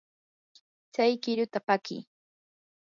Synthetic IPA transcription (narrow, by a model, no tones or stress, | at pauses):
t͡sajkɪɾʊt̪apakɪ̰ː